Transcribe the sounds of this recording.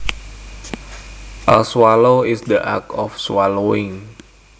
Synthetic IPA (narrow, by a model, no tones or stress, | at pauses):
ʔəlswaloisd̪əʔa̰kɔfswaloɪŋ